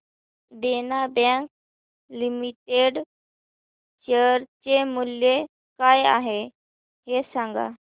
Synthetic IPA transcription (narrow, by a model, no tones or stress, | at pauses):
ɖenabãŋk̚ | limiʈeɖ | t͡ɕəɾt͡ɕemulje | kaja̰ɦe | ɦesãŋɡa̰